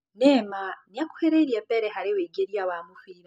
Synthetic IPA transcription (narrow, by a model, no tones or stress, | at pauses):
nemaniaku̥heɾeiɾjepeɾehaɾeweɟeɾijawamufiːɾa